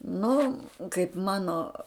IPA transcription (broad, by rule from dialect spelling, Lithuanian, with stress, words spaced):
ˈnʊ kɐɪp ˈmɑːnoː